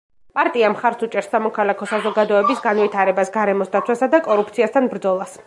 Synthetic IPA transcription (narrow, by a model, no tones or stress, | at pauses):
pʼaɾt̪ʼiamχaɾsut͡ʃʼɛɾsːamɔkʰalakʰɔsazɔɡad̪ɔɛbisɡanvit̪ʰaɾɛbasɡaɾɛmɔsd̪at̪sʰwasad̪akʼɔɾupʰt̪sʰiast̪ʰanbɾd̪zɔlˠas